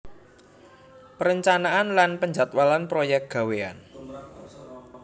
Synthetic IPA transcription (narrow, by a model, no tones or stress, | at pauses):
pəɾəɲt͡ʃanaanlanpəɲd͡ʒat̪walanpɾojɛk̚ɡ̥ä̤wea̰n